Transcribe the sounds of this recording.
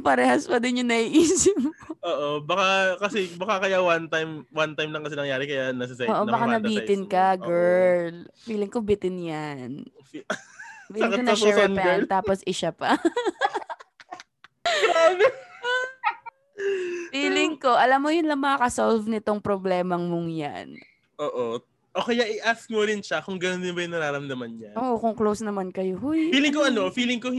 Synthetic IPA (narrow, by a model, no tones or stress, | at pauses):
pɐɾɛːhɐspɐd̪ɪnjʊŋnɐʔiːʔiːsɪmoʔoːʔobɐkakɐsɛbɐkakɐjawant̪ajmwant̪ajmlɐŋkɐsɛnɐŋjaːɾɪkɐjanɐsɐsɛoːʔobɐkanɐbiːt̪ɪnkɐɡɛɹlfiːlɪŋkobɪt̪ɪnjan | fiːlɪkonɐɛɹɐnpt̪aːposʔɪʃapɐ | ɡaːbɛ | fiːlɪŋko̞ʔɐlamːojʊnlɐŋmɐŋakɐsolvnɪt̪o̞ŋpɾoblɛːmɐŋmʊŋja̰n | ʔoːʔo | ʔokɐjaʔɪʔask̚moɾɪnʃakʊŋɡɐnondɪnbɐjʊŋnɐɾaːɾɐmd̪ɐmanɲaʔoːʔokʊŋklowsnɐmankɐjohʊjfiːlɪŋkoɐnofiːlɪŋko